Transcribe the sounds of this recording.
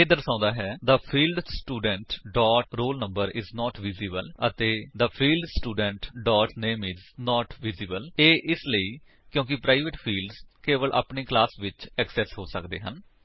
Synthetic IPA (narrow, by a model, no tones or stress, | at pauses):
eːd̪əɾsãːnd̪aːɦɛːd̪əpʰiːlɖsʈuːɖəɳʈɖɔːʈɾoːlnə̃mbəɾɪznɔːʈʋɪziːbələ̰t̪eːd̪əpʰiːlɖsʈuːɖəɳʈɖɔːʈneːmɪznɔːʈʋɪziːbəleːʔɪsləiː | kjõːk̬ɪpɾaːiʋɪʈpʰiːlɖzkeːʋəlʔa̰ːpneːklaːsʋɪt͡ʃɛksɛːsɦoːsəkd̪ḛːɦən